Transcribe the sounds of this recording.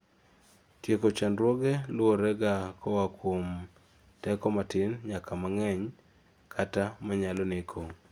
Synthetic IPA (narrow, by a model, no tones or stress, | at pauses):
tjekot͡ʃandɾwoɡɛlʊoɾɛɡakɔwakwom | tɛkɔmatɪnɲakʰamaŋɛɲ | kʰatamaɲalɔnekʰo